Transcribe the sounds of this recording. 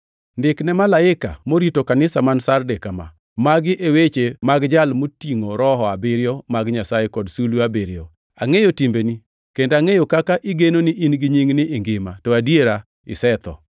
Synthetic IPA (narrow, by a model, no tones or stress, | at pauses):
ndɪknɛmalaɪka̰moɾitokanɪsamansardekama̰ | maɡɪʔewet͡ʃemaɡd͡ʒalmotiŋoɾɔɦɔabɪɾɪjomaɡɲasajekɔdsuluabiɾjo̰ | a̰ŋejotimbeni | kendaŋejokakaʔɪɡenonɪʔinɡiɲiŋnɪʔɪŋɡɪmatɔadjeɾa | ɪ̰sɛt̪ɔ̰